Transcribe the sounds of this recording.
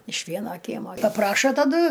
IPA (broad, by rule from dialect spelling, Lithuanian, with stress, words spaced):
ɪʃ ˈʋʲiɛnoː ˈkʲiɛmoː pɐˈprɑːʃoː tɐˈdʊ